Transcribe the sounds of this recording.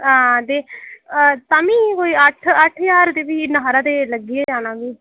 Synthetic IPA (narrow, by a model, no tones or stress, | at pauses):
ɦaːt̪eː | t̪amĩːkoːiːəʈʰəʈʰjaːɾt̪eːʋiːnəɦaːɾãːt̪eːləɡiːeːd͡ʒaːnãːʋiː